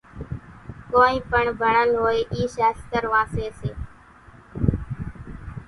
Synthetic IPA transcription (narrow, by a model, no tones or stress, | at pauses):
koːĩːpəɳbʱəɳəlɦoːeːʔiːʃeːst̪əɾʋãːseːseː